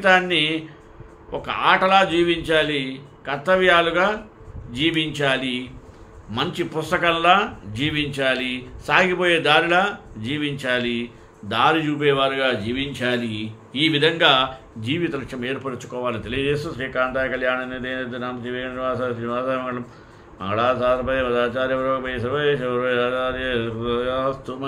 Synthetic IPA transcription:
t̪aːnːi | ʔɔkɐ̰aːʈɐlaːd͡ʒiːʋiɲt͡ʃaːli | kɐt̪ːɐʋjaːluɡaː | d͡ʒiːʋiɲt͡ʃaːli | mɐɲt͡ʃipust̪ɐkɐnlaːd͡ʒiːʋiɲt͡ʃaːlisaːɡipo̞ːjeːd̪aːɾilaːd͡ʒiːʋiɲt͡ʃaːli | d̪aːɾit͡ʃuːp̬ɛːʋaːɾiɡaːd͡ʒiːʋiɲt͡ʃaːli | iːʋid̪ʱɐŋɡaː | d͡ʒiːʋit̪ɐɾɐʂɐmeːɾpɐɾɐt͡ʃu̥kɔːʋaːlɐit̪elijɐd͡ʒeːsusɾiːkaːnt̪aːjɐkɐljaːɳɐneːd̪eːnɐd̪enant͡ʃiʋeɡɐnniʋaːsaːniʋaːsaːmɐŋɐɽɐm | mɐ̰ŋɡɐɽaːsaːɾɐpɐjɐmɐd̪aːt͡ʃaːɾjɐʋɐɾoːkɐpɐjsɐʋɐeeɐɾoaːt͡ʃaːɾe | st̪u

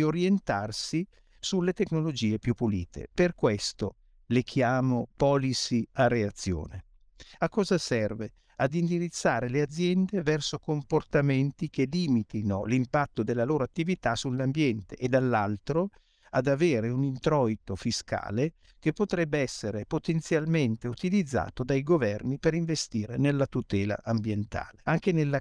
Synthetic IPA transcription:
oɾjent̪arsi | sulːet̪ekːnolod͡ʒiːepjupːulḭːt̪ʰḛperkwest̪o | lekʰjaːmopɔːlisiareat̪sːjo̰ːne | akːɔːzasɛrve | ad̪ind̪iɾit̪sːaːɾelead̪zːjɛnd̪evɛrsokomport̪ament̪ikeliːmit̪inolimpat̪ːod̪elːaloːɾoat̪ːivit̪asulːambjɛnt̪eʔːd̪alːalt̪ɾo | ad̪aveːɾeunint̪ɾɔit̪ofiska̰ːle | k̟epːot̪ɾɛbːeɛsːeɾepot̪ent̪sjalment̪eut̪ilid̪zːa̰ːt̪od̪ajɡovɛrnipeɾiɱvest̪iːɾenelːat̪ut̪ɛːla̰ʔambjent̪a̰ːleaŋk̟enelːa

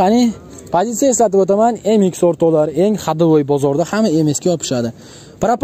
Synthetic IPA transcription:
anɪ | pʰozit̪sijae̞slat̪ɪbot̪amane̞ŋɪkʲsoɾt̪ʰɒlaɾe̞ŋχad̪ɪɾojbɒzɒɾd̪ahamae̞me̞skʲajɒpʰɪ̥ʃad̪ɪ | pɾap

